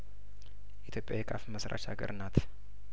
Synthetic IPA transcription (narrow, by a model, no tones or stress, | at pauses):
ʔit̪ʰjo̞pʼjajɛkʼafməsɾʔa̰ʃa̰ɡə̰ɾʔɨnːat̪